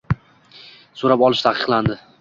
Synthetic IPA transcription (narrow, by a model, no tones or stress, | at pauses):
soɾapɒlˠɪʃt̪ʰaqʰɨ̥qlˠand̪ɪ